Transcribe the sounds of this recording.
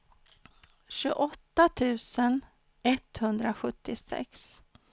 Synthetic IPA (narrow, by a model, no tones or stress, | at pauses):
ɕʉʔɔt̪ːat̪ʰʉ̟ːsən | ɛt̪hɵnd̪ɾaɧɵt̪ːɪsɛ̰ks